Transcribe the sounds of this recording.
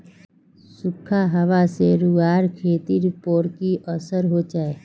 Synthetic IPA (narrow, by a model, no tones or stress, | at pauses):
sʊkʰːaɦɐʋaseɾʊɡaːɾkʰeːt̪iɾɪpoːɾkiʔəsəɾɦoːd͡ʒaːe